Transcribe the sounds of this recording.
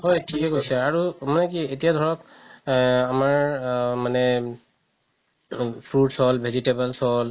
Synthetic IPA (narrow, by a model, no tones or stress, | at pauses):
ɦɔjtʰikɛkojsɛaɹumanɛkietijad̪ʱɔɹɔk | amaɹmanɛ | pʰɹuɖsɔlbʱezitebalsɔl